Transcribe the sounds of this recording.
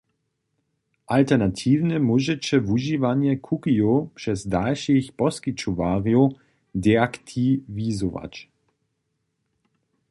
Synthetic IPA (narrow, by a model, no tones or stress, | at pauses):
ʔaltɛʁnatʰiːvnɛmuʒɛt͡ɕɛvuʒiːvaɲjɛkʰukiopʂɛsdalʃixpɔskit͡ʃɔvaːʁio | dɛakt̪ʰivizɔva̰c